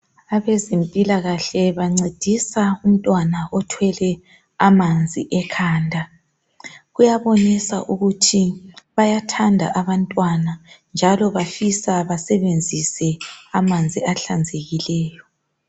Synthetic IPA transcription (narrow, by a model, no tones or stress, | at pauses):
aβezempʼilaɣaɬɛβaŋ͡ǀed̥ʱisaum̩tʼwanaʔɔtʰwɛlɛ | amand͡zʱiʔɛkʰaːndʱa | ɣujaβonisa̰ʔuɣutʰiβajatʰandʱa̰ʔaβantʼwanand͡ʒʱalɔβafisaβasɛβend͡zʱisɛamand͡zʱiaɬand͡zʱeɣilɛːjɔ